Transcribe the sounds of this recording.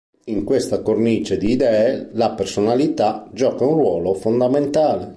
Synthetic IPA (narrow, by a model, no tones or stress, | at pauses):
iŋkwest̪akornit͡ʃed̪iːd̪ɛːelapersonalit̪ad͡ʒɔːkaunrwɔːlofond̪ament̪aːle